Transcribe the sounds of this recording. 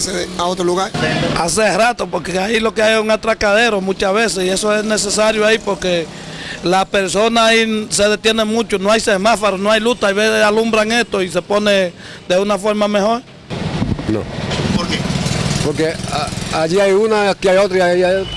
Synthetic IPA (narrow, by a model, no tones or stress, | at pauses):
seaot̪ɾoluɣaɾa̰s̬eehɾat̪opoɾkeailo̞keajesuŋat̪ɾakaðeɾomũt͡ʃahβesesiesoesnesesaɾjoaipoɾke | lapeɾso̞naːiseð̞et̪jenemut͡ʃonoajsemafoɾonoajlut̪aajβesesalumbɾaŋet̪ois̬e̞pone | d̪eunafo̞ɾmamehoɾ | no̰poɾkepoɾkeaaʝiajunakiajot̪ɾiaia